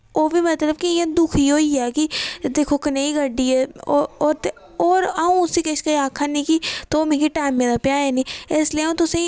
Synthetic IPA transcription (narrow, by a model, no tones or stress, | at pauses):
oːʋiːmət̪ləbkɪãːd̪ʊkʰiːɦoːiːaːkid̪eːkʰoːkəneːiːɡəɖiːɛːoːoːɾt̪e | oːɾaũːʊsiːkɪʃkəaːkʰːaːnĩːkit̪oːmẽːkiʈaːɪmːẽːd̪aːpjaːeːnĩːɪsləeõːt̪ʊsẽː